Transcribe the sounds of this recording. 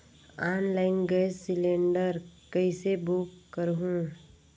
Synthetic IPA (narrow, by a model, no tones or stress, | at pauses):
aːnlaːɪnɡəesɪlẽːɳɖəɾkəɪsebukːəɾɦũ